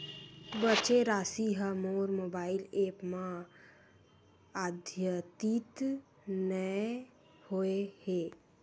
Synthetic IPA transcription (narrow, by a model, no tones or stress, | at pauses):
bət͡ʃeɾaːsiɦəmoːɾmoːbaːɪleːpmã | aːd̪ʱjət̪it̪ | nə | hoeheː